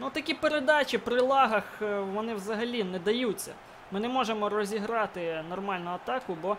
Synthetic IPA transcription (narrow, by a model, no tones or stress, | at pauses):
nut̪ɐkʲipeɾed̪ɑt͡ʃʲipɾɪlˠɑɦɐxʋɔnɪwzɐɦɐlʲinɛd̪ɐjut͡sʲːɐ̰ | mɪnɛmɔʒemɔɾɔzʲiɦɾɑt̪ɪnɔrmɑlʲnʊɐt̪ɑkʊbɔ